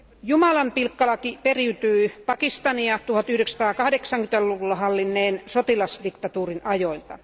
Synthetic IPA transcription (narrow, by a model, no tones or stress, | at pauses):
jumɑlɑmpilkːɑlɑkiperiyt̪yipɑkist̪ɑniɑt̪uhɑt̪yhdeksɑ̥t̪ɑːkɑhdeksɑŋkyt̪ælluʋulːɑhɑlːinːeːnsot̪ilɑsdikt̪ɑt̪uːrinɑjoilt̪ɑ̰